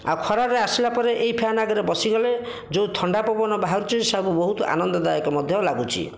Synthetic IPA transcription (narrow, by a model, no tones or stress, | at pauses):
a̰wkʰɔɾaɾeasilapɔɾeʔejpʰeanaɡɔɾebɔsiɡɔle | d͡ʒowt̪ʰɔɳɖapɔbɔnɔbaɦɔɾut͡ʃisabubɔɦut̪ɔ̰ʔa̰nɔnd̪ɔd̪ajɔkɔmɔd̪ʱjɔlaɡut͡ʃʰḭ